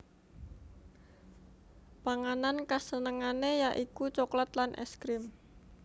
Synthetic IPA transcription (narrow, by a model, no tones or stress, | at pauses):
paŋanankasənəŋanejaʔikut͡ʃoklat̪lanʔɛ̰skɾɪm